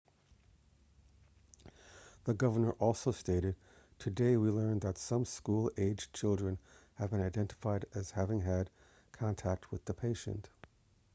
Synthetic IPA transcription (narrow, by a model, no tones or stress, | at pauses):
ðɨɡʌvə˞nə˞ʔɔlˠsoʊsteɪɾɨd̚ | tʰɨdeɪwilɜ̃˞nðɨtsʌ̃mskulˠeɪd͡ʒt͡ʃʰɪlˠdɹɨ̃nhɨvbɨ̃naɪdɛ̃ntə̥faɪɾɨz̥hævɪ̃ŋɨd̚ | kʰɑ̃ntʰæk̚t̚ʰwɨðəpʰeɪʃɨ̰̃nt